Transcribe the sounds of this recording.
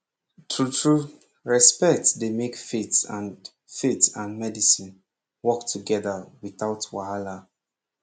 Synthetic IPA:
tʰɹutʰɹu | ɹɛspɛk̚tsdemekfetsãn | fetãnmɛdisĩn | wɔk̚tʰuɡɛðawiθaʊtwahala

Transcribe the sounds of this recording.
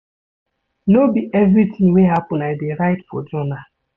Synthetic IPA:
nobiʔevɾitʰɪ̃ŋweɦapʊnaɪdeɾaɪtfɔ̰d͡ʒɔna

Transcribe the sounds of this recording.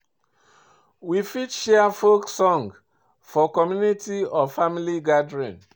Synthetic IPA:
wifitʃɛafoksɔ̃ŋɡ | fɔkɔmjunitiɔfamiliɡadɹĩn

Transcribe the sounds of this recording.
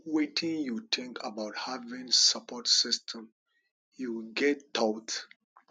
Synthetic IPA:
wetʰĩŋjut̪ʰɪ̃ŋkʰabaʊthavĩnsapɔtsɪstʰə̃m | juɡɛttat

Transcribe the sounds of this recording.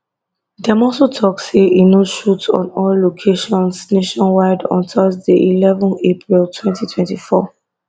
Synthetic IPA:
dɛmɔsotʰɔkseʔinoʃutɔ̰̃nɔlːokʰeʃɔ̃nsneʃɔ̃nwaɪdɔ̰̃ntɔzdeʔilɛvɔ̃nepʰɹiltʰwɛ̃ntitʰwɛ̃ntifɔ

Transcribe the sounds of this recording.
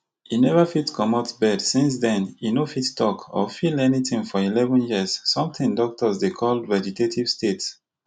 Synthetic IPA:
inɛvəfitkʰɔmɔtsbɛdsĩns̬dɛ̃ninofittʰɔkʰɔ̰filɛnitĩŋfɔilɛvə̃njiəz̥ːɔ̃mtĩŋdɔk̚tɔzdekʰɔldvɛd͡ʒitʰetʰiv̥stets

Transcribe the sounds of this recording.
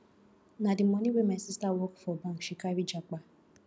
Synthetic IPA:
nadiɔniwemasistawɔkfɔbaŋ̩ʃikaɾid͡ʒak͡pa

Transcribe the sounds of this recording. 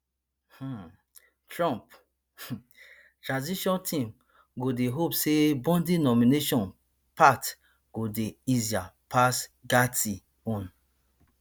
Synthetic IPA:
h̩ | tɹɔ̃mp | tɹãnziʃɔ̃ntʰĩm | ɡodeɦopsebɔ̃ndinɔmineʃɔ̃n | pat | ɡ̥odeiziapʰasɡati | ɔ̃n

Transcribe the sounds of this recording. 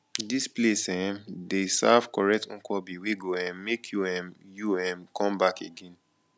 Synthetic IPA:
displesɛ̃desav̥kɔɹɛk̚tŋ̩̃kɔbiweɡoɛ̃mekʰjuɛ̃mjuɛ̃mkʰɔ̃mbakeɡẽn

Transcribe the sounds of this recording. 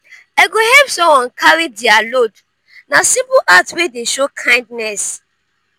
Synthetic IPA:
aɡohɛpsɔ̃mwɔ̃nkʰaɹidialod | nasĩpuʔatwedeʃokʰãɪ̃ndnɛs

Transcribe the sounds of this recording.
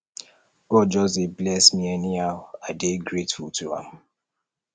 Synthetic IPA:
ɡ̥ɔd̚d͡ʒɔseblɛsmiɛniaʊadeɡɹetfultʰuã̰m

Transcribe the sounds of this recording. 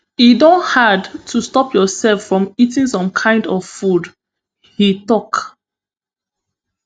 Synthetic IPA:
idõnthadtʰustɔpjɔsɛlfɹɔ̃mitĩŋsɔ̃mkʰãɪ̃ndɔvfud | hitɔk

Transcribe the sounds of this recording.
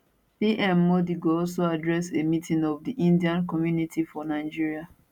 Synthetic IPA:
piʔɛ̃mːodiɡoɔls̬oadɹɛsemitĩŋɔvdiʔĩndiãnkɔmjunitʰifɔnaɪd͡ʒiɹia

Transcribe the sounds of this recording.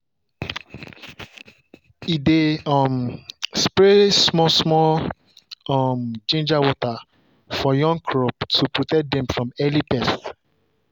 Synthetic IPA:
ideɔmspɹesmɔsmɔl | ɔmd͡ʒẽnd͡ʒawɔta | fɔjɔ̃ŋkʰɹɔbtʰupɹɔtɛk̚dɛ̃mfɹɔ̃mɛlipɛs

